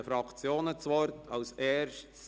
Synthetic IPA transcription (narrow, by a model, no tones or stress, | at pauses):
əfɾɑkʰt͡sjoːnət͡sʋɔɾtʰɑʊseːɾʃts